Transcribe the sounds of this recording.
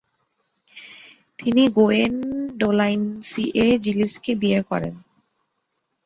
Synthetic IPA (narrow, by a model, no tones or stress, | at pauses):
t̪iniɡoenɖolajnsiʔed͡ʑiliskebiekɔ̰ɾḛn